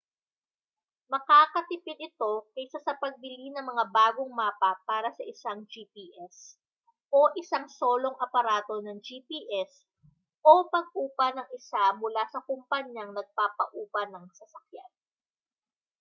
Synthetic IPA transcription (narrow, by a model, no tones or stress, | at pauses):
mɐkakɐt̪ɪpɪd̪ɪt̪o̞kɐsasɐpɐɡ̚bɪlinɐŋmɐŋabaːɡoŋmaːpɐpaːɾɐsɐʔɪsaŋd͡ʒiːpiːʔɛs | ʔo̞ʔɪsaŋso̞ːlo̞ŋɐpɐɾaːt̪o̞nɐŋd͡ʒipiʔɛs | ʔopɐɡ̚ʔuːpɐnɐŋɪsamʊlasɐkʊmpɐɲːɐŋnɐɡ̚paːpɐ̰ʔuːpɐnɐŋsɐsɐk̚jan